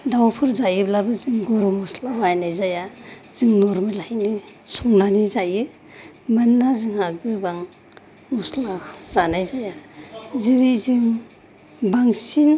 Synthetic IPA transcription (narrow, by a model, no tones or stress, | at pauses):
dawpʰɯɾzajɯblabɯziŋɡɔɾɔmuslabajnajzajaz̥iŋnɔɾmɯlajni | sɔmnanizajɯ | manːaziŋaɡbɯbaŋ | muslaz̥anajzajaziɾiziŋ | baŋsin